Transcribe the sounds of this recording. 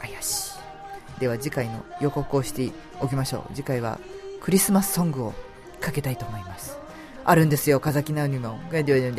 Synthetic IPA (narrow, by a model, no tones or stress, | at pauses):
ajaɕi̥ | d̪̥e̞β̞ad͡ʑikaino̞̰jo̞ko̞kɯo̞ɕi̥t̪e | o̞kʲimaɕo̞̰ːd͡ʑikaiβ̞a̰kɯ̟ɾʲisɨmasɨ̥sõ̞ŋɡɯ̟o̞ | kake̞t̪ait̪o̞ːmo̞imasɨ̥ | aɾɯ̟̃nd̪e̞sɨjo̞kazakʲinaɯɲʲimõɡed̪ead̪end̪e